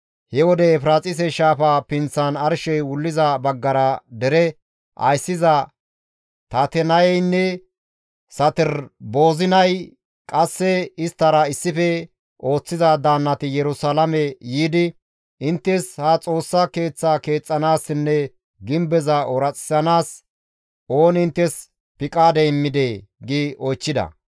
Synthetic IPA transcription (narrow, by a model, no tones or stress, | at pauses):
hɛwɔd̪ɛːfɾaːt͡sʼɪs̬ɛʃaːfapɪnt͡sːɐnɐɾʃɛjwʊlːɪzɐbɐɡːɐɾɐd̪ɛɾɛ | ʔɐ̰jsːɪzɐ | t̪ɐt̪ɛnɐjɛjnːɛ | sɐt̪ɪɾbo̞ːzɪnɐj | kʼɐsːɛɪst̪ːɐɾɐɪsːɪfɛ | ʔo̞ːt͡sːɪzɐd̪aːnːɐt̪ɪjɛɾʊsalɐmɛjiːd̪ɪ | ʔɪnt̪ːɛshɐt͡sʼo̞ːsːɐke̞ːt͡sːaːke̞ːt͡sʼːɐnaːsɪnːɛ | ɡɪmbɛzɐʔɔɾɐt͡sʼɪ̥sɐnaːs | o̞ːnɪnt̪ːɛs | pɪkʼaːd̪ɛɪmːɪd̪eːɡiʔɔjt͡ʃːɪd̪ɐ̰